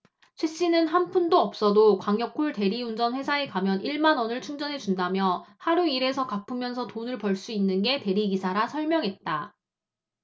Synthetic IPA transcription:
t͡ɕʰweɕ͈inɯnɦanpʰundoʌp̚s͈ʌdokwaŋjʌk͈ʰuɭte̞ɾiund͡ʑʌnɸwe̞sʰaekamjʌnʔiɭmanʌnɯɭt͡ɕʰuŋd͡ʑʌnɦe̞t͡ɕundamjʌhaɾuiɾe̞sʰʌkapʰɯmjʌnsʰʌtonɯɭpʌɭs͈uinːɯnɡe̞te̞ɾiɡisʰaɾasʰʌɭmjʌŋɦe̞t̚t͈a

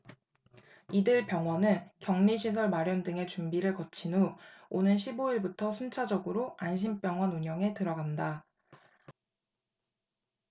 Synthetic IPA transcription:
idɯɭpjʌŋwʌnɯnkjʌŋɲiɕʰis̬ʰʌɭmaɾjʌndɯŋe̞t͡ɕumbiɾɯɭkʌt͡ɕʰinuonɯnɕʰiboiɭbutʰʌsʰunt͡ɕʰad͡ʑʌɡɯɾoanɕ̬ʰimp͈jʌŋwʌnuɲʌŋe̞tɯɾʌɡanda

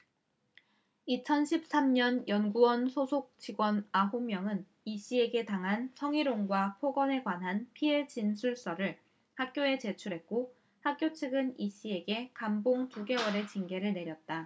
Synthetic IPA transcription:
it͡ɕʰʌnɕʰip̚s͈amɲʌnjʌnɡuwʌnsʰosʰok̚t͡ɕiɡwʌnaɦomjʌŋɯn | iɕ͈ie̞ɡe̞taŋɦansʰʌŋiɾoŋɡwapʰoɡʌne̞kwanɦanpʰie̞t͡ɕinsʰuɭs͈ʌɾɯɭ | hak̚k͈joe̞t͡ɕe̞t͡ɕʰuɾɦe̞t̚k͈o | hak̚k͈jot͡ɕʰɯɡɯniɕ͈ie̞ɡe̞kamboŋtuɡe̞wʌɾe̞t͡ɕiŋɡe̞ɾɯɭne̞ɾjʌt̚t͈a

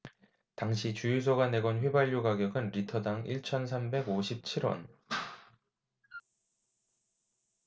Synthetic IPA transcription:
taŋɕʰit͡ɕujus̬ʰoɡane̞ɡʌnɸwe̞baʎːuɡaɡjʌɡɯnɾitʰʌdaŋiɭt͡ɕʰʌnsʰambe̞ɡoɕʰip̚t͡ɕʰiɾwʌ̰n

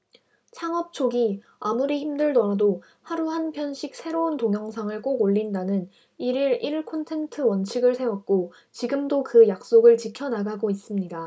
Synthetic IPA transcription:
t͡ɕʰaŋʌp̚t͡ɕʰoɡi | amuɾiçimdɯɭdʌɾado | haɾuhanpʰjʌnɕʰik̚sʰe̞ɾountoŋjʌŋsʰaŋɯɭk͈oɡoʎːindanɯn | iɾiɾiɭkʰontʰe̞ntʰɯwʌnt͡ɕʰiɡɯɭsʰe̞wʌk̚k͈o | t͡ɕiɡɯmdokɯjak̚s͈oɡɯɭt͡ɕikʰjʌnaɡaɡois͈ɯmɲida

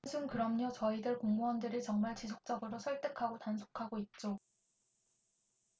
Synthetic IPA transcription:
sʰuŋkɯɾʌmɲʌt͡ɕʌidɯɭkoŋmuwʌndɯɾit͡ɕʌŋmaɭt͡ɕisʰok̚t͡ɕ͈ʌɡɯɾosʰʌɭt͈e̞kʰaɡotansʰo̥kʰaɡoit̚t͡ɕ͈o

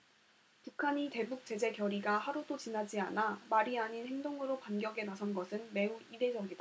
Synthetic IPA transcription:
pukʰaɲite̞buk̚t͡ɕ͈e̞d͡ʑe̞kjʌɾiɡahaɾudot͡ɕinad͡ʑia̰namaɾiaɲinhe̞ŋdoŋɯɾopanɡjʌɡenasʰʌnɡʌsʰɯnme̞uide̞d͡ʑʌɡida

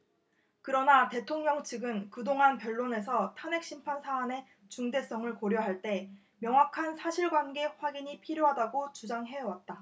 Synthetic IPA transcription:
kɯɾʌnate̞tʰoŋɲʌŋt͡ɕʰiɡɯnkɯdoŋanpjʌɭːone̞s̬ʰʌtʰane̞k̚ɕ͈impʰansʰaːne̞ | t͡ɕuŋde̞s͈ʌŋɯɭkoɾjoɦaɭt͈e̞ | mjʌŋwakʰansʰaɕʰiɭɡwanɡe̞ɸwaɡiɲipʰiɾjoɦadaɡot͡ɕud͡ʑaŋɦe̞ʌwat̚t͈a

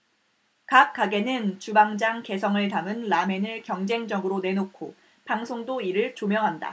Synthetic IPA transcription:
kap̚k͈aɡe̞nɯnt͡ɕubaŋd͡ʑaŋke̞sʰʌŋɯɭtamɯnːame̞nɯɭkjʌŋd͡ʑe̞ŋd͡ʑʌɡɯɾone̞nokʰo | paŋsʰoŋdoiɾɯɭt͡ɕomjʌŋɦanda̰

